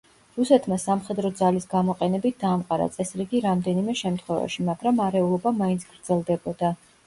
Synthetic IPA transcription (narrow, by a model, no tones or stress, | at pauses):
ɾusɛt̪ʰmasamχɛd̪ɾɔd̪zalisɡamɔqʼɛnɛbit̪̚ʰd̪aːmqʼaɾa̰t̪sʼɛsɾiɡiɾamd̪ɛnimɛʃɛmt̪ʰχwɛva̰ʃimaɡɾamaɾɛulˠɔbamaint̪sʰɡ̥ɾd̪zɛlˠd̪ɛbɔd̪a